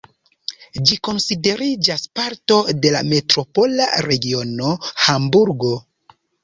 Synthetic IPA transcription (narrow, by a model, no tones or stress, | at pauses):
d͡ʒiko̞nside̞ɾid͡ʒaspaɾto̞de̞la̰me̞tɾo̞po̞la̰ɾe̞ɡio̞no̞hambuɾɡo̞